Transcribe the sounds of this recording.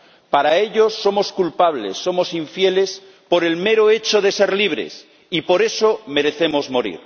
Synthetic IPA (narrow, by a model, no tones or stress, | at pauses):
paɾae̞ʎo̞sːo̞mo̞skulpaβ̞le̞̰sːo̞mo̞siɱfje̞le̞s | po̞ɾe̞lme̞ɾoe̞t͡ʃoðe̞seɾliβ̞ɾe̞̰s | ipo̞ɾe̞so̞me̞ɾe̞θe̞mo̞zmo̞ɾḭɾ